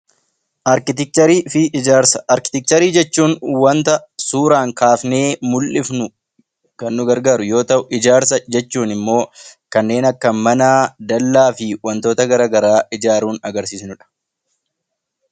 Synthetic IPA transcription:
ʔɐɾkɪt̪ɪk̚t͡ʃ̪ɐɾiːfɪʔɪd͡ʒaːɾsɐ̥ʔɐɾkɪ̥t̪ɪk̚t͡ʃ̪ɐɾiːd͡ʒɛt͡ʃːuːnwɐnt̪ɐsuːɾaːŋkaːfne̞ːmʊlʔɪfnʊ | kɐnːʊɡɐɾɡaːɾʊjo̞ːt̪ɐʔʊʔɪd͡ʒaːɾsɐd͡ʒɛt͡ʃːuːnɪmːo̞ːkɐnːe̞ːnɐkːɐmɐnaːd̪ɐlːaːfɪwɐnt̪o̞ːt̪ɐɡɐɾɐːɡɐɾaːɪd͡ʒaːɾuːnɐɡɐɾsiːsnʊᶑɐ̥

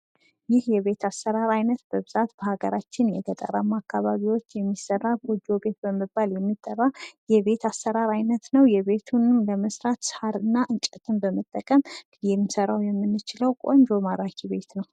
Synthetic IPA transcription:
jɪhjɛβe̞t̪ʰasːəɾaɾajnət̪b̥əβɨzat̪b̥əhaɡəɾat͡ʃːɪnjɛɡət̪ʼə̰ɾamakʰːaβaβiwo̞t͡ʃːjɛmːisːərːaɡod͡ʒo̞be̞t̪bəməbaljɛmːit̪ʼːərːajɛβe̞t̪ʰasːəɾaɾajnət̪nəwjɛβe̞t̪ʰunɨmləməsɾat̪shaɾɨnːaʔɨnt͡ʃʼɛt̪ʰʼɨmbəmət̪ʼːəkʼəm | jɛmːisəɾawjɛmːɨnːɨt͡ʃɪləwkʼo̞ɲd͡ʒomaɾakʰiβe̞t̪nəw

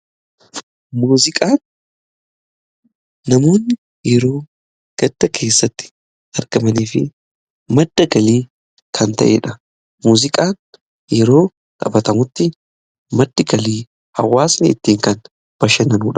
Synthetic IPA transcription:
muːzɪkʼaːn | ɐmo̞ːnːɪ | jɛɾo̞ː | ɡ̥ɐd̪ːɐkʰe̞ːsːɐt̪ːɪ̥ | ɐɾɡ̥ɐmɐniːfɪ | mɐd̪̥ːɐɡɐliː | kʰɐnt̪ɐ̰ʔḛᶑɐ | muːzɪkʼaːn | jɛɾo̞ː | kʼɐ̰bɐt̪ɐmʊt̪ːɪ | mɐd̪ːɪɡɐliː | hɐ̰wːaːsnɛɪ̰t̪ːiːŋkɐn | b̥ɐʃɐnɐnuːᶑɐ̥

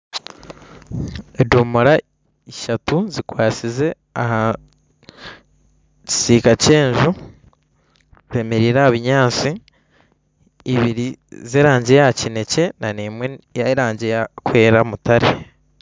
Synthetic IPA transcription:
edomoɾa | iʃatuzikwaːt͡size̞ | aha | ci̥siːkace̞ːɲʒu | e̞meɾiːɾahaβiɲaːt͡si | βiɾizeːɾaːɲɟe̞jacine̞ce̞nanimwejaiɾaːɲɟe̞jakwe̞ːɾamutaɾe

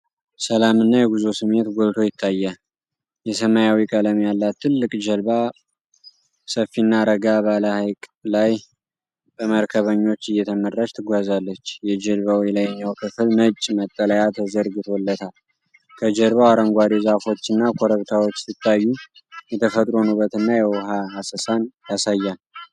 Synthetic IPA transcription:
səlamɨnːajɛɡuzosɨmet̪ɡʷolt̪ʰo̞jɪt̪ʰːajːə | jɛsəmajawikʼələmjalːat̪ʰːɨlːɨkʼd͡ʒəlβa | səfːinːaɾəɡabaləhajkʼlaj | bəməɾkʰəβəɲːo̞t͡ʃːɨjːɛt̪ʰəmərːaʃt̪ʰɨɡʷazalːət͡ʃːjɛd͡ʒəlβawijlajɲːawkʰɨfɨlnət͡ʃʼːmət̪ʼːələjat̪ʰəzəɾɡɨt̪ʰo̞lːət̪ʰal | kʰəd͡ʒəlβawaɾəŋɡʷad̪ezafo̞t͡ʃːɨnːakʰoɾəβt̪ʰawot͡ʃːsɨt̪ʰʼːajːu | jɛt̪ʰəfət̪ʼɾo̞nubət̪ɨnːajɛwɦaasəsanjasajːan

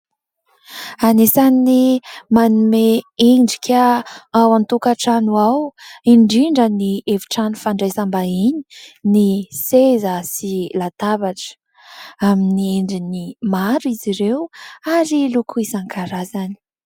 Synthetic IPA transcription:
anesanimanumeeɳɖ͡ʐi̥kʲaawant̪ukaʈ͡ʂanuawiɳɖ͡ʐiɳɖ͡ʐənievi̥ʈ͡ʂanufaɳɖ͡ʐajsambaiɲinisezəsilat̪avaʈ͡ʂə̥ | aminieɳɖ͡ʐinimaɾiziɾewaɾilukʰuisaŋkʰaɾazani̥

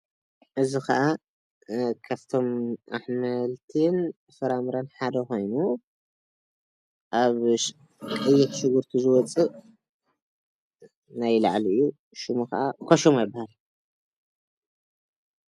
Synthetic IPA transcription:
ʔɨzixɐʔa | kʰaβt̪ʰo̞mʔaħmɐlt̪ʰin | fɐɾamɾɐnħad̪ɐxo̞jnu | ʔaβ | kʼɨjːɪħʃɨɡuɾt̪ʰizɨwɔt͡sʼɨ | najla̰ʕlijːu | ʃɨmuxɐ̰ʔakʰoʃomajɪbːahal

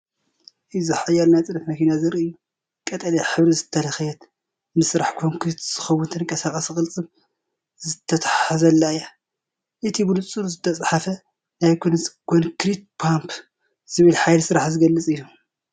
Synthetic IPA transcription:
ʔɨzɨħajalnajt̪ʼɨɾɐfmɐkʰinazɨɾiɨjːu | kʼɐt̪ʼɐliħɨβɾizɨt̪ʰːɐlɐxjɛt̪ | mɨsɨɾaħkʰonkʰɾit̪z̥ɨxɐwːʊnt̪ʰɨnɨŋkʼɐsakʼɐsɨxʼɨlt͡sʼɨβ | zɨt̪ʰːɐt̪ʰaħazɐlːaja | ʔɨt̪ʰibɨlut͡sʼɨɾuzɨt̪ʰːɐt͡sʼħafɐ | najkʰonkʰonkɾit̪̚pʰampʰ | z̥ɨβɨlħajlsɨɾaħzɨɡɐlːɨt͡sʼɨjːu

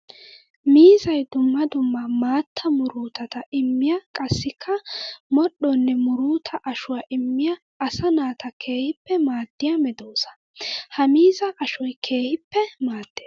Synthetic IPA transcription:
miːzɐjd̪ʊmːɐd̪ʊmːɐmaːt̪ʰːɐmʊɾuːt̪ɐt̪ɐʔɪmːɪjɐkʼɐsːɪkʰːɐmɔɗɔnːɛmʊɾuːt̪ʰɐʔɐʃʊwɐʔɪmːɪjɐː | sɐnaːt̪ɐkʰe̞ːhɪpːɛmaːd̪̥ːɪjɐmɛd̪o̞ːsɐ̥ | hɐmiːzɐʔɐʃɔjkʰe̞ːhɪpːɛmaːd̪̥ːeː

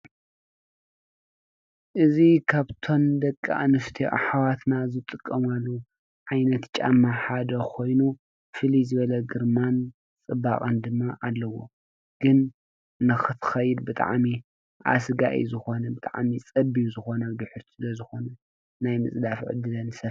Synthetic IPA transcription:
ʔɨzikʰaβt̪ʰo̞md̪ɐkʼːa̰ʔnɨft̪ʰeʔa̰ħawat̪ʰnazɨt̪ʼɨkʼːɐmalːu | ʕajnɐt̪t͡ʃʼa̰mːaħad̪ɐkʰo̞jnu | fɨlizɨβɐlɐɡɨɾman | t͡sʼɨbːakʼɐnd̪ɨmːaʔalːɐwo̞̰ | ɡ̥ɨn | nɨxɨt̪ʰxɐjɪd̪bɨt̪ʼa̰ʕmi | ʔa̰sɡa̰ʔḭzɨxo̞nɐbɨt̪ʼa̰ʕmit͡sʼɐbijzɨxo̞nɐd̪ɨħʊɾt̪ʰi̥sɨlɐzɨxo̞nɐ | najmɨsʼd̪afʕɨ̰d̪ɨlɐnsɐ

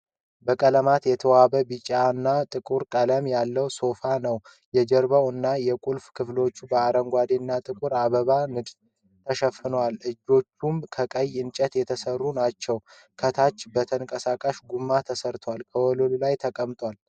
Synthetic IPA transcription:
bəkʼələmat̪jɛt̪ʰəwabəbɨt͡ʃʼaɨnːat̪ʼɨkʼuɾkʼələmjalːəwso̞fanəw | jɛd͡ʒəɾbawɨnːajɛkʼulfkʰɨflo̞t͡ʃːubəaɾəŋɡʷad̪enːat̪ʼɨkʼuɾaβəβanɨɡz | t̪ʰəʃəfɨnwalɨd͡ʒːo̞t͡ʃːumkʰəkʼəjɨnt͡ʃʼət̪jɛt̪ʰəsərːunat͡ʃːɛw | kʰət̪ʰat͡ʃːbət̪ʰəŋkʼəsakʼaʃɡumːat̪ʰəsəɾt̪ʰwalkʰəwɔlollajt̪ʰəkʼəmt̪ʼwal

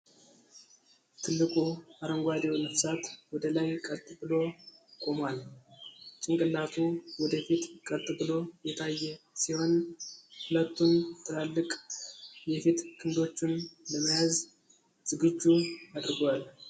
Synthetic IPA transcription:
t̪ʰɨlːɨkʼuaɾəŋɡʷad̪ewnəfsat̪wɔd̪əlajkʼət̪ʼɨbɨlo̞kʼo̞mwal | t͡ʃʼɪŋkʼɨlat̪ʰuwɔd̪əfit̪kʼəlt̪ʼɨbɨlo̞jɛt̪ʰajːɛsiho̞nhʊlət̪ːunt̪ʰɨlalːɨkʼjɛfit̪kʰɨnd̪o̞t͡ʃːɪnləməjaz | z̥ɨɡɨd͡ʒːuad̪ɨɾɡwal

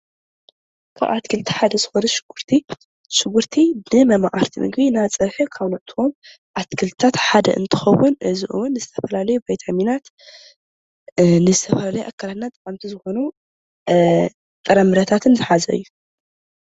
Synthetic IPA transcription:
kʰa̰ʔa̰t̪kʰɨlt̪ʰi̥ħad̪ɐzɨxonuʃɨ̥ɡ̥uɾt̪ʰi | ʃɨɡuɾt̪ʰinɨmɐmaʔaɾt̪ʰimɨ̰ɡbinat͡sʼɐɾħɨkʰaβnɐʔt̪ʰom | ʔat̪kʰɨlt̪ʰat̪ħad̪ɐ̰ʔɨ̰nt̪ʰɨ̥xɐwʊnʔɨziʔṵwnːɨzɨt̪ʰɐfɐlalɐjubajt̪ʰaminat̪ | nɨzɨt̪ʰɐfɐlalɐjuʔakʰːalat̪nat̪ʼkʼamt̪ʰizɨxonu | t̪ʼɨɾɐmɨɾɐt̪ʰat̪ʰɨnzɨħazɐ̰ɨ̰jːu

